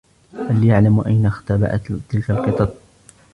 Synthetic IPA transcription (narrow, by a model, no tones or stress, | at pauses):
haljaʕlamʔajnaxt̪aba̰ʔa̰t̪ːɪlkalqɨt̪ˤɑb̪̚ˤ